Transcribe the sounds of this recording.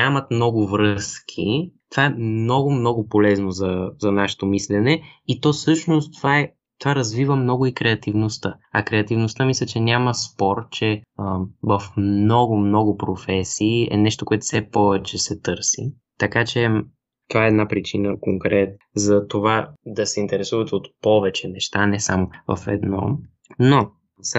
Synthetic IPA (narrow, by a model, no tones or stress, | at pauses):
nʲamɐt̪mnɔɡʊvɾɤskʰit̪ovaɛmnɔɡʊmnɔɡʊpolɛznozɐzɐnaʃɛ̥t̪omislɛnɛit̪ɔsɤʃnost̪ovaɛ | t̪ovaɾɐzvivəmnɔɡʊikɾɛɐt̪ivnost̪ə | ɐ̰kɾɛɐt̪ivnost̪əmislʲət͡ʃɛnʲaməspɔɾt̪̚t͡ʃɛəvɐfmnɔɡʊmnɔɡʊpɾofɛsiːɛ̰nɛʃt̪okoɛt̪ʊ̥fsɛpɔvɛt͡ʃɛsɛt̪ɤɾsḭ | t̪ɐkat͡ʃɛ | t̪ovaɛːd̪napɾit͡ʃinəkoŋkɾɛt̪zɐt̪ovad̪ɐsɛint̪ɛɾɛsuvɐt̪ot̪pɔvɛt͡ʃɛnɛʃt̪anɛsamovɐ̰fɛ̰d̪nɔ̰ | no | s